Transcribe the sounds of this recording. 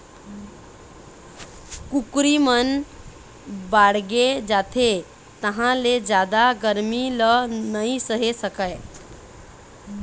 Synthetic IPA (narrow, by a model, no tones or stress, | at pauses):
kukɾimən | baɽɡed͡ʒat̪ʰe | t̪əɦãled͡ʒjad̪aɡəɾmilənəisəɦesəkəe